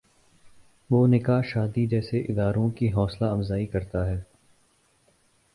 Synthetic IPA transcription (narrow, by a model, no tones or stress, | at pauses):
ʋoːnɪkaːʃaːd̪id͡ʒɛːseʔɪd̪aːɾõkiɦɔːslaɐmzaːikɐɾt̪aɦɛː